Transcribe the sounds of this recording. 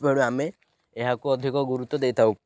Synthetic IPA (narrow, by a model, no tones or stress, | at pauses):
bʱeɽ̃uame | eɦakuɔd̪ʱikɔɡuɾut̪ːɔd̪ejt̪ʰaw